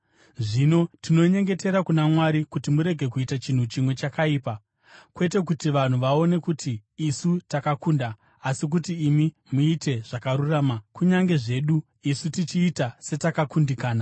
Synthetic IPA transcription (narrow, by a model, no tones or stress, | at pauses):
ʐino̞tino̞ɲe̞ŋɡe̞te̞ɾakunamwaɾikutimuɾe̞ɡʱe̞kuitat͡ʃin̤ut͡ʃimwe̞t͡ʃakaiːpa | kwe̞te̞k̬utiʋan̤uʋao̞ne̞kutiːsutakakuːndaː | sik̬utiːmi | muite̞ʐ̥akaɾuraːmakuɲaŋɡe̞ʐe̞ɗu | isutit͡ʃiːtase̞takakundikaːna